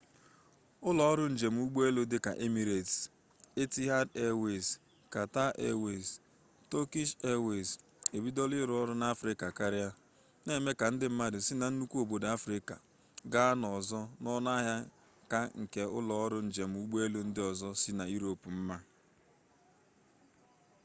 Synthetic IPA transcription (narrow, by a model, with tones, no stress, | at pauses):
ʊ˦lɔ˨ɔ˦ɾʊ˦n̩˦˨d͡ʒe˨m̩˨˦u˦ɡ͡be˦lo˦dɪ˦ka̰˨ʔe˦mi˨ɾe˨t | e˦ti˦ɦa˦de˦we˨s | ka˨ta˦ʔe˦we˨s | to˦ki˦ʃe˦we˨s | e˨bi˦dɔ˦lɪ˦ɾʊ˦ɔ˦ɾʊ˦na˦a˦fɾɪ˦ka˨ka˦ɾɪ˦a˦ | ne˦˨me˦ka˨n̩˦dɪ˦m̩˦ma˦dɪ˨si˦na˨n̩˦nu˦kʷu˦o˦˨bo˨da˦fɾɪ˦ka̰˨ | ɡa˦nɔ˨zɔ˦nɔ˦na˦ɦja˦ | ka˦ŋ̩˨ke˨ʊ˦lɔ˨ɔ˦ɾʊ˦n̩˨d͡ʒe˨m̩˨u˦ɡ͡bo˦e˦lo˨n̩˦dɪ˦ɔ˨zɔ˦si˦na˨i˦ɾo˨pu˨m̩˦ma˦